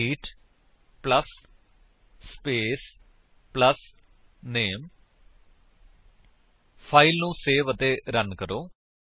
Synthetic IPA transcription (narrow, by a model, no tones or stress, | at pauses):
iːʈ | pləs | peːs | pləs | neːm | pʰaːilnũːseːʋət̪eːɾənkəɾoː